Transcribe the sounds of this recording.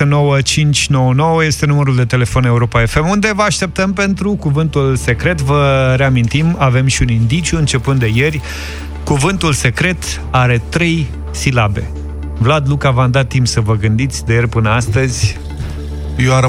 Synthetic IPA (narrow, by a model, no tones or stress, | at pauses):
eno̞wət͡ʃint͡ʃʲno̞wəno̞wəje̞st̪e̞numəɾuld̪e̞t̪e̞le̞fo̞ne̞uɾo̞pae̞fe̞mund̪e̞vəaʃt̪e̞p̚t̪əmpe̞nt̪ɾukuvɨnt̪ulse̞kɾe̞t̪vəɾe̞amint̪imave̞mʃiunind̪it͡ʃjuɨnt͡ʃe̞pɨnd̪e̞je̞rʲ | kuvɨnt̪ulse̞kɾe̞t̪ | aɾe̞t̪ɾe̞j | silabe̞̰ | vlad̪lukavamd̪at̪ːimpsəvəɡɨnd̪it̪sʲd̪ejerʲpɨnəast̪əzʲ | joa